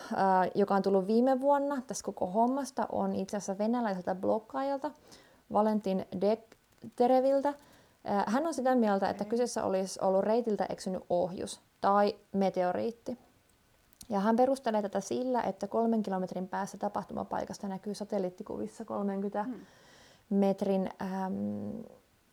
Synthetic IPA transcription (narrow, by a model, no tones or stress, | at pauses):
jokɑont̪ulːuʋʋiːmːeʋuonːɑt̪æst̪koko̰homːɑst̪ɑ̰ʔo̰nit̪seæsːæʋenælæiselt̪æblokːɑːjɑlt̪ɑ | ʋɑlent̪ːindek | t̪eɾeʋilt̪æː | hænːonsit̪æmiælt̪æḛt̪ːækysesːæ̰ʔo̰lisolːurreit̪ilt̪æ̰ʔeksyny̰ʔʔohjṵs | t̪ɑimet̪eorḭːt̪ːi | jɑɦæmpeɾust̪eleːt̪æt̪æsilːæ̰ʔet̪ːækolmeŋkilo̞met̪rimpæːst̪æt̪ɑpɑht̪umɑ̰pɑ̰ijkɑst̪ɑnækyːsɑt̪elːit̪ːikṵʋisːɑko̰lmeŋkyt̪æ | met̪rinːm